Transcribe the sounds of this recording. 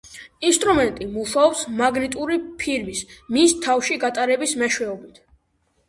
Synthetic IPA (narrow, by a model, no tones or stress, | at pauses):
inst̪ʼɾumɛnt̪ʼimuʃaɔpsmaɡnit̪ʼuɾipʰiɾmismist̪ʰafʃiɡat̪ʼaɾɛbismɛʃwɛɔbit̪ʰ